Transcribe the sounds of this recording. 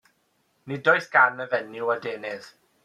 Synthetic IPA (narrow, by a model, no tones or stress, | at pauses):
nidɔɨθɡ̥anəvɛnɪwadeːnɪð